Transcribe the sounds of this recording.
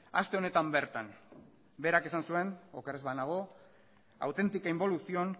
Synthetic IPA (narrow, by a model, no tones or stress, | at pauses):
a̰st̪e̞o̞ne̞t̪ambe̞ɾt̪an | be̞ɾake̞sansue̞nokarezβanaɣ̞o̞ | a̰wt̪e̞nt̪ikaimbo̞lusio̞n